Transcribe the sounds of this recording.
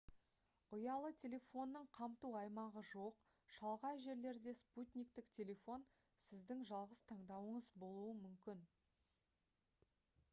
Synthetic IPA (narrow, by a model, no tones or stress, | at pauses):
ʊjɑlˠət̪ʲʰe̞lʲe̞fo̞nːəɴqʰɑmt̪uɑjmɑʁəʒo̞q | ʃɑlˠʁɑjʒe̞ɾle̞ɾd̪e̞sput̪ʲnʲijk̚t̪ɪktʲʰe̞lʲe̞fo̞n | sɪzd̪ɪŋʒɑlˠʁəst̪ʰɑɴd̪ɑwəɴəzbo̞lˠuəmʏmkʲɪn